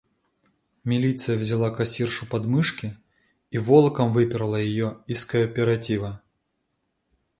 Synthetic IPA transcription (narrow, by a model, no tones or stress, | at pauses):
mʲilʲit̪sɨjɐwzʲalˠakasʲirʂupad̪mɨʂkʲiː | vɔlˠɐkɐmvɨpʲɪɾɐlˠɐjajɔiskɐpʲɛɾat͡sʲivɐ